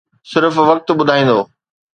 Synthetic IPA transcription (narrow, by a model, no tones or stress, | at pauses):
sɪɾfʋɐk̚t̪ɓʊd̪ʱaːĩːn̆d̪oː